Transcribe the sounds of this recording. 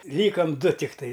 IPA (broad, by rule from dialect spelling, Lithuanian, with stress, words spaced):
ˈlʲiːkɐm ˈdʊ tʲɪkˈtɐɪ